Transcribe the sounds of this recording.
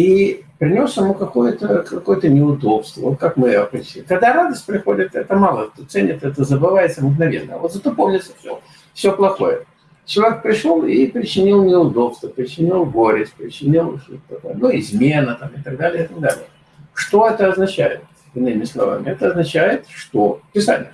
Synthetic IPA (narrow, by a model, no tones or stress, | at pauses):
ipɾʲɪnʲo̞sjɪmukɐkojət̪əkɐko̞jət̪ənʲɪʊd̪o̞pst̪vəvot̪̚kakmɨpɾʲɪsʲikɐɡd̪aɾad̪əsʲt̚ʲpɾʲɪxodʲɪt̪ɛt̪əmalˠət̪ot̪sɛnʲɪt̪ɛt̪əzəbɨvajɪt̪səmɡnɐvʲḛnːə̰jə̰vot̪zɐt̪opomnʲɪt̪sə̥fsʲo̰ | fsʲoplˠɐxo̞̰jə | t͡ɕɪlˠɐvʲek̚pɾʲɪʂolˠipɾʲɪt͡ɕːɪnʲilˠnʲɪʊd̪o̞pst̪vəpɾʲɪt͡ɕɪnʲilˠɡoɾʲɪsʲt̚ʲpɾʲɪt͡ɕːɪnʲilˠʂt̪ot̪ə̥t̪ːɐkojənuɪzmʲe̞nət̪amɪt̪ɐɡ̚d̪alʲɪjəɪt̪ɐɡ̚d̪alʲɪ̰jə | ʂt̪o̞ɛt̪əɐznɐt͡ɕæ̰jɪ̰t̪ | ɪnːɨmʲɪslˠɐ̰va̰mʲɪɛt̪əɐznɐt͡ɕæjɪt̪ʂt̪o̞pʲɪsa̰nʲɪjə